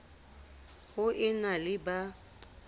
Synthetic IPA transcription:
hʊʔɪnalɪba

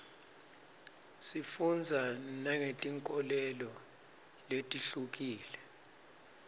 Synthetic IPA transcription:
sifund͡zʱanaŋetʼiŋkʼɔlɛlɔ | letʼiɬuk̬ʼiːlɛ

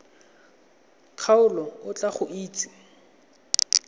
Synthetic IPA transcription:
q͡χʰaʊlɔʊt͡ɬʼaχʊʔiːt͡sʼi̥

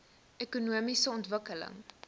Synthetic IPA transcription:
ekunuəmisəɔntvəkələ̰ŋ

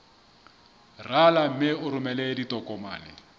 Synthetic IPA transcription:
ralam̩mɪʊɾʊmɛlɛditʼɔkʼɔma̰ːlɪ̰

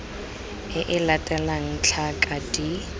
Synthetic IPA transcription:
ɪʔɪlatʼɛlaŋ̩t͡ɬʰakʼadi

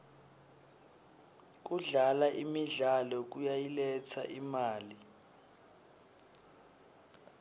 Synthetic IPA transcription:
k̬uɮalaʔimiɮalɔk̬ujajilɛt͡sʰa̰ʔimaːli

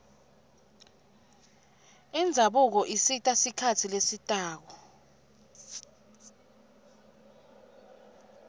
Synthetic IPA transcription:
ind͡zʱaɓuk̬ɔʔisitʼasikʰatʰilesitʼaːk̬ɔ

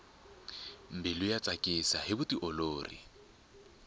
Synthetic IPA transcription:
m̩bɪlʊjat͡sʼakʼɪsahɪbʊtiʔɔloːrḭ

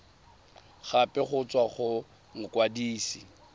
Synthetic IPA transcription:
χapʼɛχʊt͡sʼwaχʊ | ŋ̩kʼwadiːsi

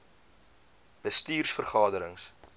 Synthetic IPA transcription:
b̥əstiːrsfərχɑːdəɾəŋs

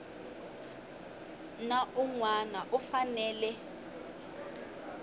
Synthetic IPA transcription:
naʔuŋwanaʔufanɛːlɛ

